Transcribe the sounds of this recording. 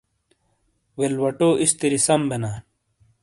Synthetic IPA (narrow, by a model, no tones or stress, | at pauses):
welwɐʈoːʔist̪iɾisɐmbenaː